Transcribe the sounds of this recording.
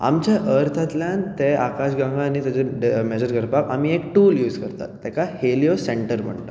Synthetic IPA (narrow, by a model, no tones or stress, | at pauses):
a̰mt͡ɕaʔəɾt̪ʰat̪ljãnt̪eakaɕɡãŋɡanːiːt̪jat͡ɕeɖmed͡ʑəɾɡəɾpaka̰miek̚ʈuːljuːd͡zkəɾt̪a̰t̪ːɛkahelijoseɳʈəɾm̤ə̰ɳta̰